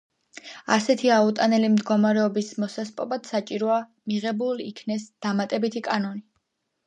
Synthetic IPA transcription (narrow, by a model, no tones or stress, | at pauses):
asɛt̪ʰiaut̪ʼanɛlimd̪ɡɔmaɾɛɔbismɔsaspʼɔbad̪̥sat͡ʃʼiɾɔa | miʁɛbulḭkʰnɛsd̪̥amat̪ʼɛbit̪ʰikʼanɔni